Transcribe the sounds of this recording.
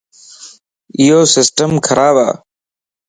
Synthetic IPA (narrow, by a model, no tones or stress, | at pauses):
ɪjoːsɪsʈəmkʰəɾʔaːʋa̰ː